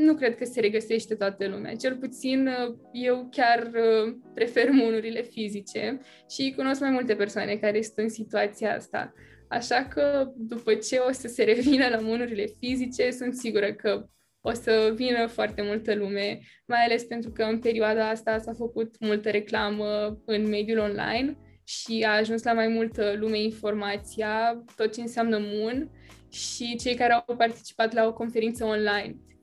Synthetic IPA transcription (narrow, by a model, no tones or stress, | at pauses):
nukɾe̞d̪̚kəse̞ɾe̞ɡəse̞ʃt̪et̪oat̪əlumea̰t͡ʃe̞lput̪sinje̞wkʲarəpɾe̞fe̞rmunuɾile̞fizit͡ʃe̞ | ʃikuno̞skmajmult̪e̞pe̞rsoane̞kaɾe̞su̥nt̪ɨnsit̪uat̪sijaa̰st̪a̰ | a̰ʃakəd̪upət͡ʃe̞o̞səse̞ɾe̞vinəlamunuɾile̞fizit͡ʃe̞sunt̪siɡuɾəkə | o̞səvinəfoart̪e̞mult̪əlume̞ | majale̞spe̞nt̪ɾukəɨnpe̞ɾioad̪aast̪asafəkut̪mult̪əɾe̞klaməɨnme̞d̪julo̞nla̰jn | ʃiaːʒunslamajmult̪əlume̞info̞rmat̪sijat̪o̞t̪̚t͡ʃe̞ɨnseamnəmun | ʃit͡ʃe̞jkaɾeawpart̪i̥t͡ʃi̥pat̪lao̞ko̞nfe̞ɾint̪səonlajn